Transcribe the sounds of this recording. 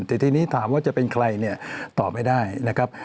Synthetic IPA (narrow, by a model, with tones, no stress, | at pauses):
nt̪ʰɛː˨˩t̪ʰiː˧niː˦˥t̪ʰaː˩˦mwaː˥˩t͡ɕa˨˩pe˧nkʰɾa˧jni˥˩ɐt̪ɔː˨˩p̚ma˥˩jdaː˥˩jna˦˥kʰɾa˦˥p̚